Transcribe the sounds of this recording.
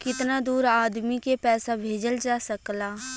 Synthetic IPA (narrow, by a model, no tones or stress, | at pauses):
kɪt̪nad̪uːɾaːd̪mikepɛːsabʱeːd͡ʒəld͡ʒaːsəklaː